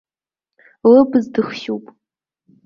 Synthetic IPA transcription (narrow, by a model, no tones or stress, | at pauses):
lɨbɨzdɨχʃupʼ